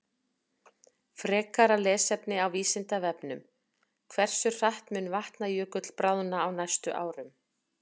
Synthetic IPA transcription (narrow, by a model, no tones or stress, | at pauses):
fɾɛːkaɾalɛːsɛpnɪawviːsɪnt̪avɛpnʏm | kʰvɛr̥sʏ̥r̥aht̪mʏnːvaht̪najʏːkʏt̪l̥pɾaːwðʏnaːwnajst̪ʏʔaːwɾʏm